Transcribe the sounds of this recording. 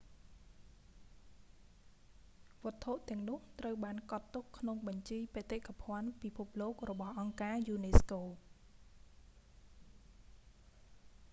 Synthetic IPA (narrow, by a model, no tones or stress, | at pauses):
ʋŏət̪ʰːoʔt̪ɛ̆əŋnʊ̆əht̪rəwɓaːnkɑt̪ːukʰːnoŋɓɑɲt͡ɕiːjpeːt̪ekʰapʰŏənpipʰup̚loːk̚rɔɓɑhʔɑŋkaːjuːneːskoː